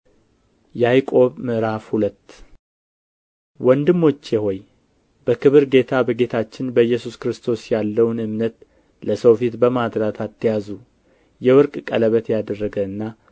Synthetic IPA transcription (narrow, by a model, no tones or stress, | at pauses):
jajkʼo̞βmɨɾafhulət̪ː | wɔnd̪ɨmːo̞t͡ʃːjɛho̞j | bəkʰɨβɨɾɡe̞t̪ʰabəɡe̞t̪ʰat͡ʃːɪnbəjːɛsuskɾɨst̪ʰo̞sjalːəwnɨmnət̪ | ləsəwfit̪bəmad̪ɾat̪ʰat̪ːijazu | jɛwɔɾkʼkʼələβət̪jad̪ərːəɡəɨnːa